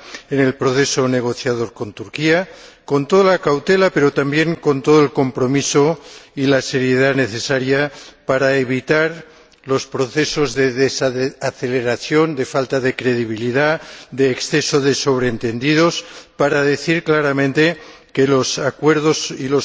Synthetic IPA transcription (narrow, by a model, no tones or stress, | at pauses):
ene̞lpɾoθe̞so̞ne̞ɣ̞o̞θjað̞o̞ɾko̞nt̪uɾkiako̞nt̪oðolakawt̪elape̞ɾo̞t̪ambje̞ŋko̞nt̪o̞ð̞oelko̞mpɾo̞misoilase̞ɾjeð̞ane̞θe̞saɾjapaɾaeβ̞it̪aɾ | lo̞spɾo̞θe̞so̞zðe̞ðesaθe̞leɾaθjo̞nd̪e̞falt̪aðe̞kɾe̞ð̞iβ̞iliðad̪eːksθe̞soðe̞so̞β̞ɾeːnt̪e̞nd̪ið̞o̞spaɾaðe̞θiɾklaɾamẽnt̪e̞ | kelosakwe̞ɾðosilo